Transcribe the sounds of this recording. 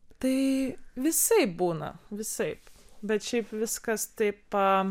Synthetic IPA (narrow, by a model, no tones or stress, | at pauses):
t̪ɐɪʋʲɪsɐɪp̚buːnɐ̰ʋʲɪsɐɪpbʲɛt̪ʃʲɛɪpʋʲɪskɐst̪ɐɪpɐ